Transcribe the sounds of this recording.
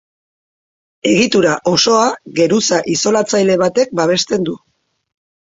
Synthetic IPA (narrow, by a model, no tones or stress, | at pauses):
e̞ɣit̪uɾaʔo̞so̞aɣe̞ɾusaʔiso̞lat͡sajle̞β̞at̪e̞k̚baβ̞e̞st̪e̞nd̪u